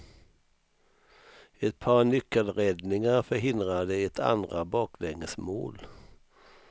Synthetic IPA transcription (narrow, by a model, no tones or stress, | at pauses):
ɛt̪̚pʰɑnʏkːəlɾɛd̪nɪŋaɾfœɾɦɪnd̪ɾad̪əɛt̪ʰa̰nd̪ɾabɑːkʰlɛŋəsmo̰ːl